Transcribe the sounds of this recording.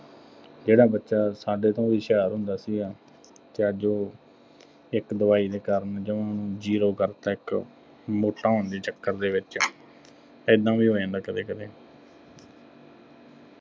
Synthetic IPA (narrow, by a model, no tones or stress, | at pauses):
d͡ʒeːɽaːbətːʃaːsaːɖeːt̪õːʋiːʃɛːɾɦʊnd̪aːsiːɡaː | t̪eəd͡ʒoː | ɪkd̪əʋaːiːd̪eːkəɾənd͡ʒɪʋãːnũːd͡ʒiːɾoːkəɾt̪aːɪk | moːʈːaːnd̪iːt͡ʃəkːəɾd̪eːʋɪt͡ʃː | ɪd̪ãːʋiːɦoːeːnakəɾeːkəɾeː